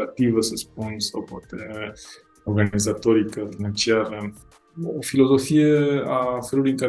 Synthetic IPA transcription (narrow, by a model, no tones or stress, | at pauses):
at̪ivəsəsp̚unsawpwat̪e | oɾɡanizat̪oɾikəfinant͡ʃiaɾə | ofilo̞zo̞fieafəɾut̪iŋka